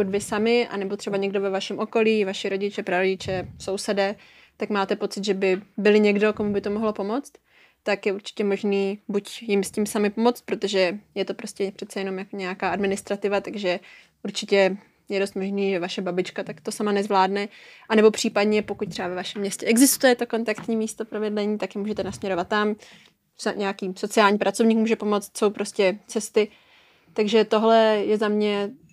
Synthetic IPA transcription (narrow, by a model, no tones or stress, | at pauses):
okucvɪsamɪʔa̰nɛbot̪r̝̥ɛbaɲɛɡdovɛvaʃɛmʔo̞ko̞liːvaʃɪɾo̞ɟɪt͡ʃɛpɾaɾoɟɪt͡ʃɛso̞wsɛdɛ | t̪akmaːt̪ɛpo̞tt͡sɪt̪ʒɛbɪbɪlɪɲɛɡdo̞komubɪt̪o̞moɦlopo̞mo̞t͡st̪ | t̪akjɛuɾt͡ʃɪ̥cɛmo̞ʒniːbucjɪmscimsamɪpo̞mot͡st̪̚pɾot̪o̞ʒɛjɛt̪o̞pɾo̞scʲɛpr̥ɛt̪t͡sɛjɛno̞mjakoɲɛakaːʔadmɪnɪst̪ɾat̪ɪvat̪aɡʒɛ | ʔuɾt͡ʃɪcɛ | jɛdost̪mo̞ʒniːʒɛvaʃɛbabɪt͡ʃkat̪akt̪o̞samanɛzvlaːdnɛʔanɛbo̞pr̝̥iːpadɲɛpo̞kuc̚t̪r̥ɛbavɛvaʃɛmːɲɛscɛʔɛɡzɪst̪ujɛt̪o̞ko̞nt̪akt̪ɲiːmiːst̪opɾovɪdlɛɲiːt̪akjɛmuːʒɛt̪ɛnasmɲɛɾo̞vat̪ːam | saɲʔɛjakiːso̞t͡sɪaːlɲipɾat͡so̞vɲiːkmuːʒɛpo̞mo̞t͡st̪so̞wpɾo̞scɛt͡sɛst̪ɪ | t̪aɡʒɛt̪o̞ɦlɛjɛzamɲɛ